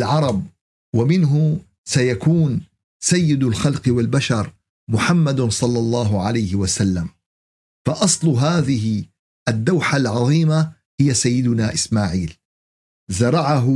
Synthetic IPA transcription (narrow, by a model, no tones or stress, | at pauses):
lʕɑɾˤɑb̚ | wamɪnɦʊ | sajakuːn | sajːɪd̪alxɑlqwalbaʃɑɾˤ | mʊħamːad̪sˤɑlːɑlˤːɑːɦʊʕalajhɪwasalːam | faʔɑsˤlʊɦaːðɪɦɪ | ʔad̪ːawħalʕɑðˤiːma | hɪjːasajːɪd̪ʊnaːʔɪsmaːʕiːl | zɑɾˤɑʕaɦʊ